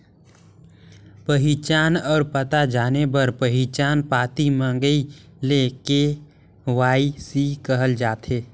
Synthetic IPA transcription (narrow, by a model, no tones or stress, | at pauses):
pəɦit͡ʃaːnɔːɾpət̪ad͡ʒaːnebəɾpəɦit͡ʃaːnpaːt̪imə̃ŋɡəi | leːke | ʋaːisikəɦəld͡ʒaːt̪ʰeː